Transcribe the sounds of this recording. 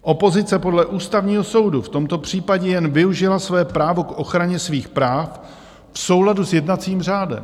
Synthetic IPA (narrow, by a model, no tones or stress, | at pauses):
ʔo̞po̞zɪt͡sɛpo̞dlɛʔuːst̪avɲiːɦoso̞wduft̪o̞mt̪o̞pr̝̥iːpaɟɛjɛnvɪuʒɪlasvɛːpɾaːvo̞kʔo̞xɾaɲɛsviːxpɾaːf | fso̞wladusjɛdnat͡siːmr̝aːdɛ̰m